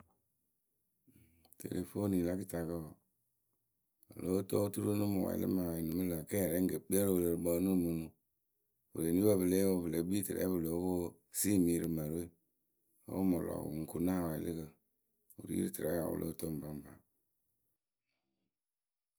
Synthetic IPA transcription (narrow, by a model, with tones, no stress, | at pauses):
tḛ˨le˨fo˦ni˨la˦ki˦ta˨kə˦o˨ | o̰˨lo˦to˦tu˦ɾo˦nɨ˦mu˨wa̰˨ḭ˨˦lɨ̰˦ma˨wa˨i˨nɨ˨mɨ˦la˨kɛ˦˨ɾɛ˨˦ŋ˦ɡə˨bi˦a˦ɾwu˨le˨ɾbɔ˨˦nu˦˨mu˨nu˨ | u˨ɾe˨ni˦ba˦˨bɨ˨le˦wo˦bɨ˨le˨˦bi˦tɨ˨ɾɛ̰˨˦bɨ˨lo˨˦wo˦ | si˦˨mi˦ɾɨ˨ma˨ɾḛ˦ | o˦mo˨lɔ̰˨ŋ̩˨ku˨na˦˨wa˨i˨lɨ̰˦kə˨ | ṵ˨ɾḭ˦ḭ˦ɾi˦tɨ˨ɾɛ˦a̰˨ṵ˨lʔo̰˦to˦m˨ba˦m˨ba˨